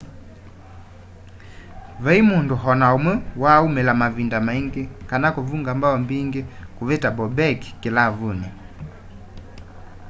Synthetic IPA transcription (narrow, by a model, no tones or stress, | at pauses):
vɛimunduɦɔnaumwɛwaːumɛlamavindamaiŋɡikanakuvuŋɡambaɔmbiŋɡikuvɛtabɔbɛki̥kilavuni